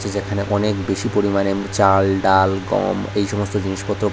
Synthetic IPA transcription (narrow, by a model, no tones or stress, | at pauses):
t͡ɕʰed͡ʑekʰaneʔɔnekbeʃipoɾimanet͡ɕalɖalɡɔ̰mejʃɔmost̪od͡ʑiniʃpɔt̪ːɾo